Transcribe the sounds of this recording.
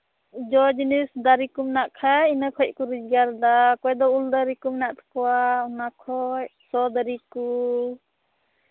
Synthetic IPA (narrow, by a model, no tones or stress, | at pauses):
d͡ʒɔd͡ʒinisd̪aɾikumnaʔkʰainakʰɔc̚kuɾid͡ʒɡaɾd̪akɔjd̪ɔuld̪aɾikumnaʔt̪ʰḁkɔwaɔnakʰɔjsɔd̪aɾiku